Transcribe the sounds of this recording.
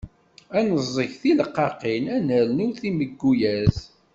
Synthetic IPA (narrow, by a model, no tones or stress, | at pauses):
ænəzˤːəçθiləqːɑqinænəɾnʊɾθiməɡːujæz